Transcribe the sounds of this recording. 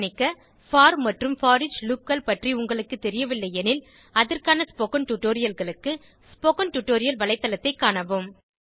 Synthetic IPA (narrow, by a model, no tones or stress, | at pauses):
nɪkːɐ | faːɾmɐʈrɯmfaːɾɪd͡ʒlup̚kɐlpɐʈriʊŋɡɐɭɯkːɯt̪ːɛɾɪjɐʋɪlːɐɪɛnɪl | ɐðɐrkaːnɐspoːkɐnʈuʈːoːɾɪjɐlɣɐɭɯkːɯ | spoːkɐnʈuʈːoːɾɪjɐlʋɐɭɐɪt̪ːɐlɐt̪ːɐɪkːaːɳɐʋɯm